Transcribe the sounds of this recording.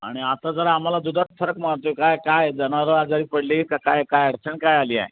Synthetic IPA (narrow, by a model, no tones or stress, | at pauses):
a̰ɽ̃iat̪ad͡zəɾaːm̤alad̪ud̪ʱat͡sfʰəɾəkmaɽt̪okajkajd͡zəñaɾoad͡zaɾiːpəɽleikakajkajəɽt͡sʰəɳkajaliːa̰ɦj